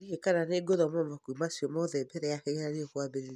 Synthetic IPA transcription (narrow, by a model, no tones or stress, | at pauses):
ihekananeɡoðɔmɔmakuimasiɔmɔðɛbɛɾɛjakeɣeɾaɾekwabeɾe